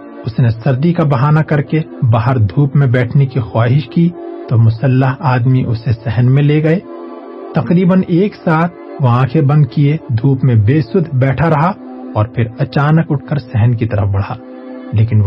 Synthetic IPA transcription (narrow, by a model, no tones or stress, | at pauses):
ʊsnesɐɾd̪ikabɐɦaːnakɐɾkebaːɦəɾd̪ʱuːpmẽbɛːʈʰnekixwaːɦɪʃkit̪omʊsəlːəɦaːd̪miʔʊsesɛɦənmẽleɡɐe | t̪ɐqɾiːbəneːksaːt̪̚ʰʋɐɦãkʰebɐ̃nd̪̚kied̪ʱuːpmẽbeːsʊd̪ʱbɛːʈʰaɾɐɦa | ɔːɾpʰɪɾɐt͡ʃaːnəkʊʈ̚ʰkəɾsɛɦənkit̪ɐɾə̰fbɐɽ̤aː | leːkɪn